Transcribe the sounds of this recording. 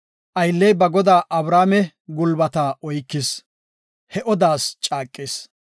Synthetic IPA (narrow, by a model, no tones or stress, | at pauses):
ʔɐjlːɛjbɐɡɔd̪aːʔɐbɾaːmɛ | ɡʊlbɐt̪aːɔjkːɪs | hɛʔɔd̪aːst͡ʃʼaːkʼːes